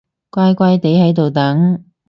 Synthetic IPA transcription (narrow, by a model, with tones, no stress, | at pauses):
kʷaː˥jkʷa˥jt̪e˨˥jɦɐ˨˧˥jt̪o˨wt̪ɐ˨˥ŋ